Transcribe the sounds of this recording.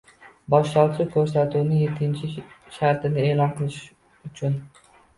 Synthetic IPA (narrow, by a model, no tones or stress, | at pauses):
bɒʃlɒɾsʊkʲʰɵɾsat̪ʰuwnɪjet̪ʰːɪnt͡ʃʰɪ | ʃaɾt̪ʰɪnɪe̞ːlˠɒnqʰɨlˠɪʃ | ʊt͡ʃʰʊn